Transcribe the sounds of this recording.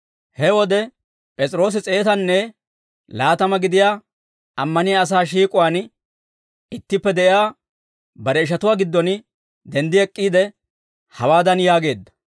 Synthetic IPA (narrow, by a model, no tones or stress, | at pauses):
hɛwɔd̪ɛ | pʼɛt͡sʼɾo̞ːs̬ɪt͡sʼe̞ːt̪ɐnːɛ | laːt̪ɐmɐɡɪd̪ɪjaː | ɐmːɐnɪjaːs̬aːʃ̬iːkʼʊwaːn | ɪt̪ːɪpːɛd̪ɛʔɪjaː | bɐɾɛɪʃɐt̪ʊwaːɡɪd̪ːɔn | d̪ɛnd̪ɪɛkʼːiːd̪ɛ | hɐwaːd̪ɐnjaːɡe̞ːd̪ːɐ̥